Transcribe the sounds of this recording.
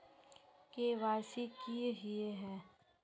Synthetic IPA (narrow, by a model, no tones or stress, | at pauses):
keʋaːsikiɦieɦɛ̃ː